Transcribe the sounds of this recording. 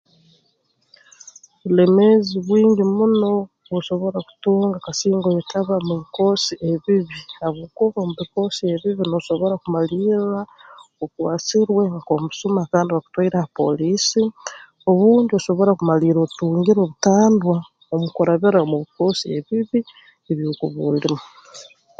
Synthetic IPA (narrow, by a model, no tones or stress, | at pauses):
βule̞meziβwiːɲɟimuno̞ | βuʃo̞βo̞ɾaku̥tuːŋɡakasiːŋɡojetaβamuβiko̞siʔeβiβiaβukoβomuβiko̞sie̞βiβinoʃo̞βo̞ɾakumaliːɾaokwaːt͡siɾwe̞ŋkomusumaːkaːndiwaku̥twaiɾahapo̞̰liːsi | o̞βuːɲdioʃo̞βo̞ɾakumaliːɾotuːŋɡiɾoːβutaːndwa | omukoɾaβiɾamuβiko̞ːsieβiβi | eβjokuβuːlimo